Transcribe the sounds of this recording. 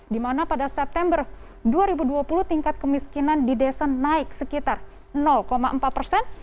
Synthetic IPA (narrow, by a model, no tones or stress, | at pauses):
dimanapadasɛp̚t̪ɛmbər | duaɾibuduapuluht̪iŋkat̪̚kəmiskinandidesanaɪk̚səkit̪ar | nɔlkoma̰ʔəmpat̪̚pərsɛn